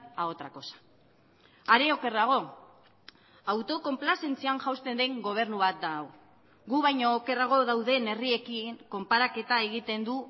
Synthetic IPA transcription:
ao̞t̪ɾako̞sḁ | aɾe̞o̞ke̞raɣ̞o̞ | awt̪o̞ko̞mplase̞nt͡sianʝawst̪e̞nd̪e̞ŋɡo̞β̞e̞ɾnuβat̪̚d̪ao | ɣuβajɲoːke̞raɣ̞o̞ðawðe̞ne̞rie̞kiŋko̞mpaɾake̞t̪ae̞ɣ̞it̪e̞nd̪u

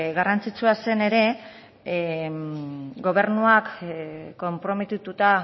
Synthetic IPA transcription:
ɣarant͡sit͡suase̞ne̞ɾe̞ | ɡo̞β̞e̞ɾnuakkːo̞mpɾo̞me̞t̪it̪ut̪a

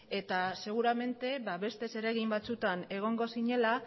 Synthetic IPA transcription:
e̞t̪ase̞ɣ̞uɾame̞nt̪e̞βaβe̞st̪e̞se̞ɾe̞ɣimbat͡sut̪ane̞ɣ̞o̞ŋɡo̞siɲe̞la

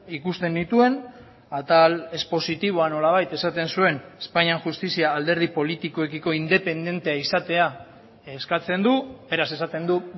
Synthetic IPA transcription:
ikust̪e̞nd̪it̪ue̞n | at̪ale̞spo̞sit̪iβ̞o̞ano̞laβ̞ajt̪e̞sat̪e̞nsue̞nespaɲiaŋxust̪isiaːld̪e̞ɾð̞ipo̞lit̪ikoekiko̞ind̪e̞pe̞nd̪e̞nt̪e̞aisat̪e̞a | eskat͡se̞nd̪ube̞ɾase̞sat̪e̞nd̪u

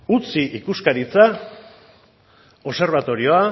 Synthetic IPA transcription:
ut͡siʔikuskaɾit͡sa | o̞se̞ɾβat̪o̞ɾio̞a

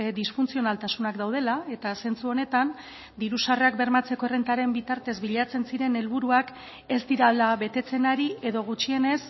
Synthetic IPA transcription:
d̪isfunt͡sio̞nalt̪asunakd̪awð̞e̞lae̞t̪ase̞nt͡suo̞ne̞t̪an | d̪iɾusareak̚be̞ɾmat͡se̞ko̞erent̪aɾe̞mbit̪aɾt̪e̞zβiʎat͡se̞nsiɾe̞ne̞lβuɾuak | e̞zd̪iɾalaβe̞t̪e̞t͡se̞naɾie̞ðo̞ɣ̞ut͡ʃie̞ne̞s

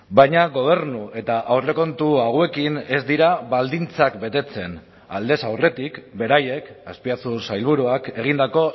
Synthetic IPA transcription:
bajɲaɣo̞β̞e̞ɾnue̞t̪aʔawre̞ko̞nt̪uaɣ̞we̞kine̞zd̪iɾaβald̪int͡sakbe̞t̪e̞t͡se̞n | a̰ld̪e̞sawre̞t̪ikbe̞ɾaje̞kaspiat͡susajlβ̞uɾuake̞ɣind̪ako̞

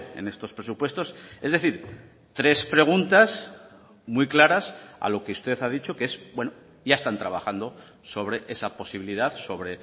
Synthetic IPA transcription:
e̞̰ne̞st̪o̞spɾesupwe̞st̪o̞se̞zðe̞θiɾ | t̪ɾe̞spɾe̞ɣ̞unt̪as | mujklaɾasa̰lo̞keust̪e̞θaðit͡ʃo̞keesbwe̞no | ʝaest̪ant̪ɾaβaxand̪o | so̞β̞ɾe̞ʔe̞sapo̞siβiliðaðso̞β̞ɾe̞

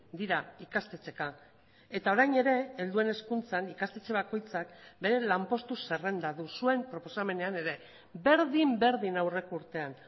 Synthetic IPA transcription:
d̪iɾaikast̪e̞t͡se̞ka | e̞t̪ao̞ɾajne̞ɾe̞ːld̪ue̞ne̞skunt͡sanikast̪e̞t͡ʃeβ̞ako̞jt͡sakbe̞ɾe̞lampo̞st̪use̞re̞nd̪aðusue̞mpɾo̞po̞same̞ne̞ane̞ɾe̞ | be̞ɾðimbe̞ɾðinawre̞kuɾt̪e̞an

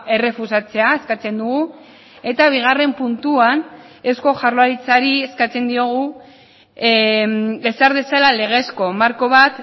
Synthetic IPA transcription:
e̞re̞fusat͡se̞ae̞skat͡se̞nd̪uɣu | e̞t̪aβ̞iɣ̞are̞mpunt̪uan | e̞sko̞ʝarloaɾit͡saɾie̞skat͡se̞nd̪io̞ɣ̞u | be̞saɾðe̞salale̞ɣ̞e̞sko̞maɾko̞β̞at̪

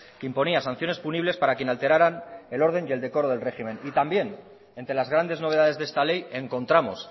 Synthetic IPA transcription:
keimpo̞niasanθjo̞nespuniβle̞spaɾakjenalt̪e̞ɾaɾane̞lo̞ɾðe̞nje̞ld̪e̞koɾo̞ðelre̞ximẽ̞nit̪ambje̞n | e̞nt̪ɾe̞lazɣɾand̪e̞zno̞β̞e̞ð̞aðe̞zðe̞st̪ale̞je̞ŋko̞nt̪ɾamos

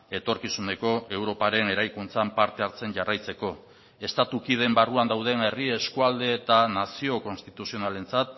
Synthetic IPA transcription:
e̞t̪o̞ɾkisune̞ko̞ʔe̞wɾo̞paɾe̞ne̞ɾajkunt͡sampaɾt̪e̞aɾt͡se̞nʝarajt͡se̞ko̞ | e̞st̪at̪ukið̞e̞mbaruand̪awð̞e̞ne̞rieskuald̪e̞ːt̪anasio̞ko̞nst̪it̪usio̞nale̞nt͡sat̪̚

